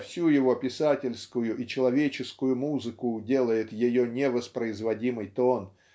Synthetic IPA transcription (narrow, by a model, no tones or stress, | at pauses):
fsʲujɪvo̞pʲɪsatʲɪlʲskʊjʊʔit͡ɕɪlˠɐvʲet͡ɕɪskʊjʊmuzɨkʊdʲe̞lˠəjɪt̪jɪjo̞nʲɪvəspɾəɪzvɐdʲimɨjt̪o̞n